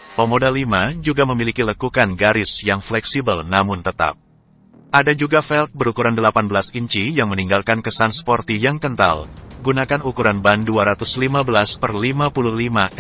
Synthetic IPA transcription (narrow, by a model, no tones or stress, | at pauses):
pəmodalimad͡ʒuɡaməmilikiləkukanɡaɾɪsjaŋflɛksibəlnamʊnt̪ət̪a̰p̚ | ʔadad͡ʒuɡafɛlt̪̚bəɾukuɾandəlapanbəlasiɲt͡ʃijaŋməniŋɡalkankəsanspɔrt̪ijaŋkənt̪a̰lɡunakanukuɾanbanduaɾat̪ʊslimabəlaspərlimapuluhlima